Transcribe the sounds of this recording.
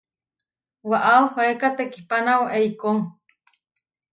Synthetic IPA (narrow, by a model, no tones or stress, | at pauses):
waʔaohoekat̪eki̥panawaʔeikoŋ